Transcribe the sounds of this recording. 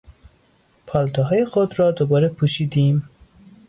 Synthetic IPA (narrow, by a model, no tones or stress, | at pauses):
pʰɒːlt̪ʰɒɦɒːjexod̪rɒːd̪obɒːɾepʰuʃiːd̪iːm